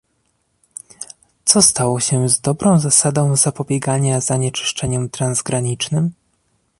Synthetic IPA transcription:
t̪sɔst̪awɔɕɛzd̪ɔbɾɔ̃w̃zasad̪ɔ̃w̃zapɔbʲjɛɡaɲazaɲɛt͡ʂɘ̥ʂt͡ʂɛɲɛmt̪ɾanzɡɾaɲit͡ʂnɘm

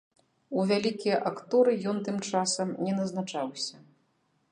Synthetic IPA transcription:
uvʲalʲikʲijɐʔakt̪ɔɾɨjɔnt̪ɨmt͡ʂasɐmnʲɛnɐznat͡ʂawsʲɐ

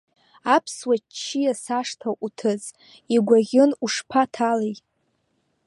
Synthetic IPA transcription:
apʰswat͡ʃʰːijasaʂtʰaʔʷutʰɨz | iɡʷaʁʲɪnuʂpʰatʰalejʼ

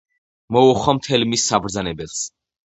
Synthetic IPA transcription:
mɔuχɔmt̪ʰɛlmisːabɾd̪zanɛbɛlˠs

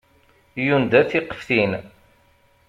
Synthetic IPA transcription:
jund̪æθiqə̥fθin

